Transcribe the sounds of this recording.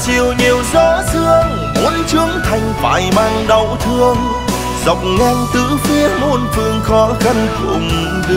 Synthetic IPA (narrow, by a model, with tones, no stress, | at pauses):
t͡ɕi˨˩əwɲi˨˩əwzɔ˧˦sɨ˧əŋ | ʔu˨˧˥ənt͡ɕɨ˧˥əŋt̪ʰa˨˩jŋ̟fa̰ː˧˨˩jmaː˧ŋɗə˨˧˩wt̪ʰɨ˧əŋ | zə̰˧˨wŋ͡mŋɛ˧ŋt̪ɨ̰˧˥fi˧˦ənmo˧nfɨ˧əŋxɔ˨˦xə˧nkʊ̰˧˩ŋ˧